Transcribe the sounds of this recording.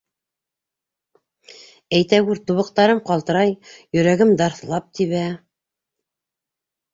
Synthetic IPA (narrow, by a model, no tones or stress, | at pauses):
æjt̪æɡʉɾt̪uβɤ̆q̚t̪ɑɾɤmqɑlˠt̪ɤ̆ɾɑjjɵ̆ɾæɡɘmd̪ɑɾθlˠɑp̚t̪iβæ